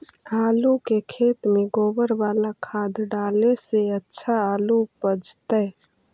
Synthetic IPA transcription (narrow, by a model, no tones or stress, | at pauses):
aːlukekʰeːt̪meɡoːbəɾʋaːlakʰad̪ɖaːleseətːʃʰaaːlupəd͡ʒt̪ə